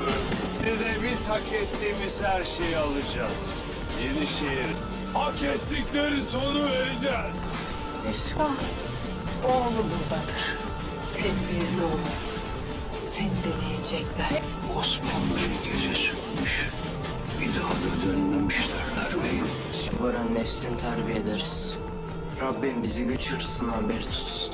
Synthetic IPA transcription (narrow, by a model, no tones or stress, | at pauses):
d̪ed̪ɛbiz̥hakʰɛt̪ːiːmiz̥hæɾʃejalˠɯd͡ʒaz̥ | jeniʃejeɾi | haket̪ʰːiclʲeɾiso̞nuveɾd͡ʒɛz̥ | ɛʃka | olˠubund̪ad̪ɯɾ̥ | t̪ʰɛmliɾlʲiolˠmasɯ̥n | senid̪enejed͡ʒɛclʲæɾ | osmanbiɾɡʲed͡ʒɛsy̥kmyʃ | bid̪ad̪ad̪ønːemiʃlæɾnæɾmeji | sibaɾanːɛfsint̪ʰæɾbijed̪eɾiz̥ | ɾabːimbiziɟøt͡ʃʰyɾsɯnabiɾt̪ʰu̥t̪